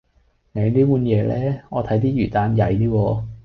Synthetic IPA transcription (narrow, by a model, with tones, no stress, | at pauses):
ne˨˧niː˥puː˨˧njɛː˨˧lɛː˥ŋɔː˨˧t̪ʰɐ˨˥jt̪̬iː˥jyː˨˩t̪aː˧njɐ˨˧jt̪iː˥wɔː˧